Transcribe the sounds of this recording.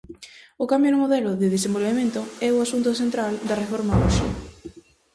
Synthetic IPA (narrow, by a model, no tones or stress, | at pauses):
ʊkambjoðʊmoðɛlʊðɪðesembolβemẽnt̪ʊɛʊasunt̪oθent̪ɾald̪ɐrefɔɾmauʃḭ